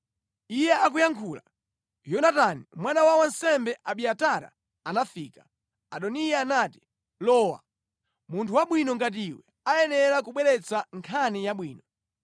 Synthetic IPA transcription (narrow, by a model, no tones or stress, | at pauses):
ijɛak̬ujaŋkʰula̰ | jɔnatanimwanawawansɛmbɛʔaɓiataɾa̰ | anafiːkḁ | aɗɔnijaːnaːti̥ | lɔːwa̰ | muntʰuwaɓwinɔŋɡat̬iiwɛ | ajɛnɛɾakuɓwɛɾɛt͡sʰaŋkʰanijaɓwiːnɔ